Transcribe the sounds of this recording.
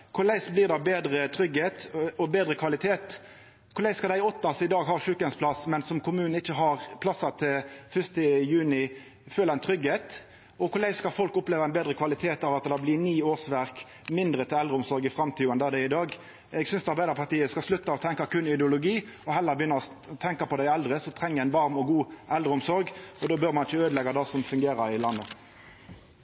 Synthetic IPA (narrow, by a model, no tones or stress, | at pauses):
kʰʊɾlæɪsbliːd̪ɑbeːd̪ɾət̪ʰɾʏɡheːt̪ɔbeːd̪ʁəkʰʋɑlɪt̪ʰeːt̪ | kʰʊʁlæɪskɑd̪æɪɔt̪ːɑsɔɪd̪ɑːɡɦɑːʁʂʉːkənspʰlɑsmɛnsɔmkʰʊmʉːnn̩ɪçːəɦɑʁpʰlɑsːɑt̪ʰɪfʏst̪əjʉːnɪ | føːlɛnt̪ʰʁʏɡheːt̪ | ɔkʰʊlæɪskɑfɔlkʊpleːʋɑɛɪnbeːd̪ʁəkʰʋɑlɪt̪ʰeːt̪ɑːʋɑt̪d̪ɑblɪniːoːsʋæʁk | mɪnd̪ʁət̪ʰɪlɛld̪ʁɾəʊmsɔɾɡɪfɾɑmt̪ʰiːɛnd̪ɑd̪æɪd̪ɑːɡ | ɛɡsʏnsd̪ɑɾbæɪd̪əʁpʰɑʈ̪iːəskɑslʉt̪ːɑɔt̪ʰɛŋkɑkʉnɪd̪ɛʊlʊɡiːɔɦɛlːəɾbəjʏnːəʁɔ | t̪ʰɛŋkɑpɔd̪æɪɛld̪ʁəsɔt̪ʰɾɛŋːəæɪnʋɑɾmɔɡuːʔɛld̪ɾəʊmsɔɾɡɔd̪oːbøɾmɑnɪçːəøːd̪lɛɡɑd̪ɑsɔmfʉŋɡeːɾɑɾɪlɑnːə